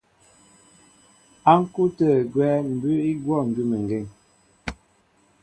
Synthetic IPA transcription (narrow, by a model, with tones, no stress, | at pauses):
a˦ŋ̩˦ku˦tə˨ɡwɛ˦m̩˨bʉ˦i˦ɡwɔ˦˨ŋ̩˨ɡʉ˦mə˨ŋ˨ɡe˦˨ŋ